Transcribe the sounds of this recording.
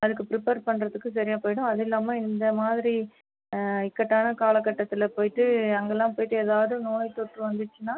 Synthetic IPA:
ɐðɯkːɯpɾɪpeːɾpɐɳːɾɐðɯkːɯs̬ɐɾɪjaːpoːjɽʊ̃ɐðɪlːaːmɐɪnd̪ɐmaːðɪɾi | ɪkːɐʈːaːnɐkaːlɐkːɐʈːɐt̪ːɪlɐpoːjɪʈːɯɐŋɡɐlːãːpoːjɪʈːɯeːðaːʋɐðɯnoːjt̪ɔʈrɯʋɐnd̪ɯt͡ʃːɯnaː

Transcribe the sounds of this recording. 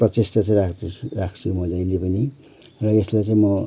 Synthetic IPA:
prʌt͡sesʈʌt͡sãĩrakrakʰsuɾmʌd͡zajlepʌni | rʌeslajt͡sãĩmʌ

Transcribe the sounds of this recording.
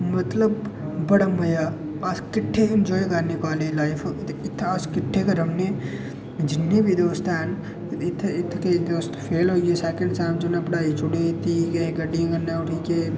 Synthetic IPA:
mɐt̪ləb | bɐɽamɐja | askɪʈʰːend͡ʒɔːjkɐɾnepaːlelaːjfʰɪt̪ʰːaːskɪʈʰːekɐɾɐmne | d͡ʒɪnːebʱid̪oːst̪ɛːn | ɪt̪ʰːɪt̪ʰːked̪oːst̪ʰpʰeːlɦoːesɛːkẽɳɖsãːmd͡ʒɐnpɽaːit͡ʃʊɽet̪ʰːikɐeɡɐɖĩŋɡɐnːeʊʈʰike

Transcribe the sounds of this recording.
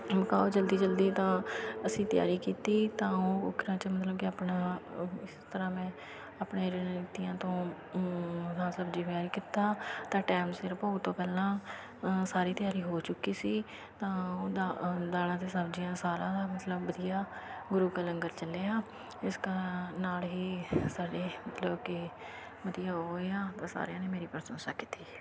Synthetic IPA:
məkaːoːd͡ʒəld̪iːd͡ʒəld̪iːt̪ãːəsĩːt̪ɪja̰ːɾiːkiːt̪iːt̪ãːoːʊkɾãːt͡ʃəmət̪ləb̚kɪaːpnaːɪst̪əɾãːmɛ̃ː | apɳẽːɾɪnɪt̪ijãːt̪õː | ãsəbd͡ʒiːpjaːɾiːkɪt̪aːt̪ãːʈɛːmsɪɾpəːt̪õːpɛːlãː | saːɾiːt̪ɪjaːɾiːɦoːt͡ʃʊkːiːsiː | t̪ãːoːd̪aːd̪aːlãːt̪eːsəbd͡ʒijãːsaːlãːd̪aːmət̪ləbːəd̪ijaːɡʊɾuːkələŋɡəɾt͡ʃəlːeːaː | ɪskənaːlɦiːsaːɖeːmət̪ləbkɪ | bəd̪ijaːɦoːeːãːt̪ãːsa̰ːɾeãːneːmeːɾiːpəɾsənsa̰ːkit̪ːiː

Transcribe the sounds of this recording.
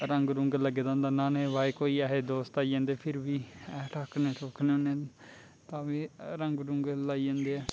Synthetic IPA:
ɾəŋɡɾʊŋɡləɡeːd̪ãːnd̪aːnãːnẽːʋaːeːkoːiːɛːɦeːd̪oːst̪aːiːd͡ʒãːnd̪eːpʰɪɾʋiːɛːʈʰaːkʰnẽːʈoːkʰneoːnẽː | t̪ãːʋiːɾəŋɡɾʊŋɡlaːiːd͡ʒãːnd̪eːɛː

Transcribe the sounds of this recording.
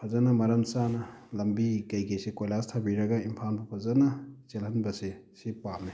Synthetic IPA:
pʰɐzɐnɐmɐɾɐnsanɐlɐmbikɐjkejsekojlastʰɐbiɾɐɡɐimpʰanbɐpʰɐzɐnɐt͡ʃelɦɐnbɐsesipame

